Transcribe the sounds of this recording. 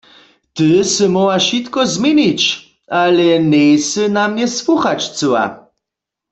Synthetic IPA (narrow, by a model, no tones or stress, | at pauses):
t̪ɨsɨmɔwaʃit̪kɔzmʲiɲit͡ɕ | alɛnɛjsɨnamɲɛswuxat͡ʃt͡sɨwa̰